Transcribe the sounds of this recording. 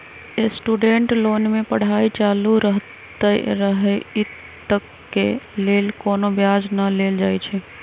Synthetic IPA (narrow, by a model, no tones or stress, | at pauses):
esʈuɖeɳʈlonmepəɽ̤ait͡ʃaluɾəɦt̪əɾəɦɛi | t̪ːəkːḛlelkonobjad͡ʒnəleld͡ʒajt͡ʃʰɛ